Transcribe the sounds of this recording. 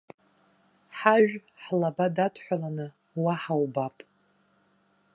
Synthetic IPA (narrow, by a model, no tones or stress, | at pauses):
ħaʒᶣħlabadatʰħʷᶣalanɨ | waħawbapʼ